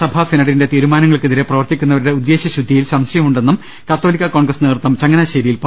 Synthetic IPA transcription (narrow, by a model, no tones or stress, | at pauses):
sɐbʱasenɐɽinde̞t̪iːɾumaːnɐŋːɐɭkeðiɾeprɐʋɐrt̪ikʲːunːɐʋɐɾuɽe̞ud̪ːe̞ːɕɐɕud̪ʱːijilsɐmsɐjɐmuɳɖe̞nːum | kɐt̪ːo̞ːlikʲːɐkoːɳɡrɐsneːrt̪ːɐmt͡ɕɐŋːɐnaɕɐɾijilp